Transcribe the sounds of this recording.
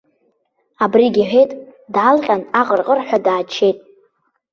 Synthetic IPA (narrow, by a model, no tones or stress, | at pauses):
abriɡʲiħʷᶣe̞jtʼdalqʲʼanaqʼərqʼərħʷᶣadaːt͡ʃʰe̞jtʼ